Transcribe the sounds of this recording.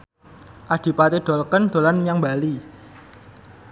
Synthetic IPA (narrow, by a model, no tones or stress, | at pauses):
ʔad̪̥i̤pat̪eɖ̪̥ɔ̤lkənd̪̥o̤lanjaŋbali